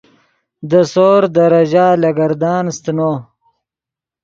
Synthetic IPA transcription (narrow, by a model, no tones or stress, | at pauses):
d̪əsoːɾd̪əɾɐʑaːlɐɡɐɾd̪ɑːnst̪no